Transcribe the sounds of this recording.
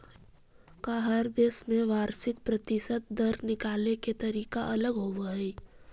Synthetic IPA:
kaɦɐɾd̪eːsmẽʋaːɾsɪk̚pɾɐt̪ɪsət̪̚d̪ɐɾnɪkaːleket̪ɐɾiːkaʔɐləɡɦoʋaɦɛː

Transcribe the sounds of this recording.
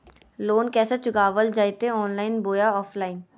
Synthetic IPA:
loːnkɛːsat͡ʃʊɡaːʋəld͡ʒaːit̪eɔːnlaːɪnboːjaɔːfʰlaːɪn

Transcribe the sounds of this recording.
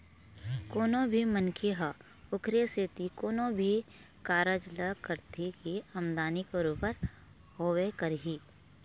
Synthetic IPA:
koːnõbʱimənkʰeɦə | ʊkʰɾeset̪ikoːnõbʱi | kaːɾəd͡ʒləkəɾt̪ʰikiɐmd̪aːnikoɾuːpəɾ | ɦoːwekəɾɦiː

